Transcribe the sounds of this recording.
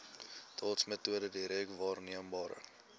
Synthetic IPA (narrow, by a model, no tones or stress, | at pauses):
tʰɑːtsmətuədədiɾikvɑːrniəmbɑːɾə̰